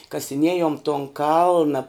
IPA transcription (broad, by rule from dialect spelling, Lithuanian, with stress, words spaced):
kɐsʲɪˈnʲiɛjoːm toːn ˈkɐlˠnɐ